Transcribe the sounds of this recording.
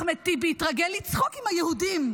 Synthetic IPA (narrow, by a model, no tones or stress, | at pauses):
met̪ibeitʁaɡelːit͡sχokimhajehudim